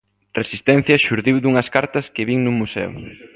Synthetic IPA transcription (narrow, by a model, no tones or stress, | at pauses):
resist̪ɛn̟θjɐʃuɾðiwd̪uŋɐskaɾt̪ɐskɪβiŋnumusɛ̰w̰